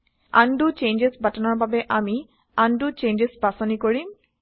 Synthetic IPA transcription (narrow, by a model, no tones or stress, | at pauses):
a̰ɳɖut͡ʃend͡ʒesbʱatanɔɹbabeʔami | aɳɖut͡ʃeɲd͡ʒesbasɔnikoɹim